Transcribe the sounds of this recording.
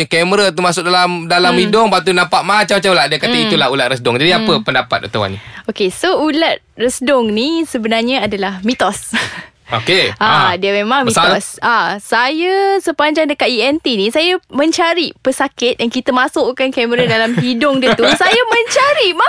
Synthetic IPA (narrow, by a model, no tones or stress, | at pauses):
kɛməɾət̪umasʊk̚dalamdalamidʊŋbat̪unampaʔmat͡ʃamːat͡ʃamulaʔdiakat̪ait̪ulahulat̪̚ɾəsdɔŋd͡ʒadiapəpəndapa̰t̪̚ə̰t̪awa̰nḭokesoulat̪̚rəsdʊŋnisəbənarɲəadalahmit̪ɔs | okeʔadiəmemaŋmisasasajəsəpaɲd͡ʒaŋdəkat̪̚iɛnt̪inisajamə̃ɲt͡ʃaɾipəsakɪt̪̚jaŋkit̪əmasʊʔkankɛməɾədalamɦidʊŋdiət̪usajamə̃ɲt͡ʃaɾima